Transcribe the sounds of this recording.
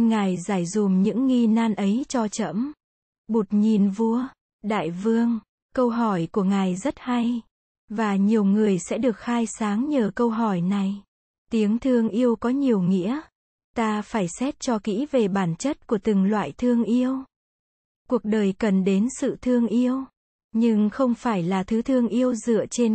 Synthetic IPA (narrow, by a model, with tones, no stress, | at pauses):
ŋaː˨˩jzaː˧˩jzu˨˩mɲɨ̰˧˥ŋːi˧naː˧nʔə˨˦jt͡ɕɔ˧t͡ɕə̰˧˥m | ɓo˨˩t̚ɲi˨˩nvu˧ə | ɗa̰ː˧˨jvɨ˧əŋ | kə˧wɦɔ˧˩jku˧˩əŋa˨˩jzə˦˥t̚ha˧j | vaː˨˩ɲi˨˩əwŋɨ˨˩əjsɛ̰˧˥ɗɨ˨˩ək̚xaː˧jsaː˨˦ŋɲəː˨˩kə˧wɦɔ˧˩jna˨˩j | t̪i˨˦əŋt̪ʰɨ˧əŋʔi˧əwkɔ˨˦ɲi˨˩əwŋḭ˧˥ə | t̪aː˧faː˧˩jsɛ˦˥t̚t͡ɕɔ˧kḭ˧˥ve˨˩ɓaː˧˩nt͡ɕə˦˥t̚ku˧˩ət̪ɨ˨˩ŋlwa̰ː˧˨jt̪ʰɨ˧əŋʔi˧əw | ku˨˩ək̚ɗəː˨˩jkə˨˩nɗe˨˦nsɨ̰˧˨t̪ʰɨ˧əŋʔi˧əw | ɲɨ˧ŋxə˧wŋ͡mfaː˧˩jlaː˨˩t̪ʰɨ˨˦t̪ʰɨ˧əŋʔi˧əwzɨ̰˧˨ət͡ɕe˧n